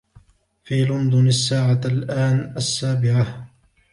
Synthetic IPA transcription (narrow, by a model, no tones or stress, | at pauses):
fiːlʊnd̪ˤʊnasːaːʕalʔaːnʔasːaːbɪʕa